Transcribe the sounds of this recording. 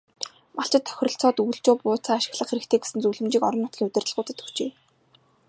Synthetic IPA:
maɬt͡ɕɪ̆t̪ʰːœ̥xʲɪ̆rɞ̆ɬt͡sɔːt̪uːɮt͡ɕʊːpʊːt͡sʰaːʃɪ̆xɮə̆χxeɾɘ̆xt̪ʰeːɡe̥sɘ̆nt͡suɮɘ̆mt͡ɕiːkɔɾɞ̆nːʊt̪ə̆ɮʊt̪ɘ̆rt̪ə̆ɮʁʊːt̪ə̆t̪ʰɵ̥xt͡ɕeː

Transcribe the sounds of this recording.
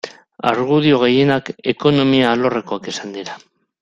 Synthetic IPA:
a̰ɾɣuðio̞ɣ̞e̞je̞nake̞ko̞no̞miaːlo̞re̞ko̞akesand̪iɾa

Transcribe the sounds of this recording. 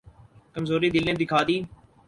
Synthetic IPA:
kəmzoːɾiːd̪ɪlẽːd̪ɪkʰaːd̪iː

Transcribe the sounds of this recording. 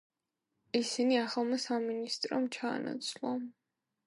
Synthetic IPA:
isiniaχalˠmasaminist̪ʼɾɔ̰mt͡ʃʰa̰ːna̰t̪sʰlˠa

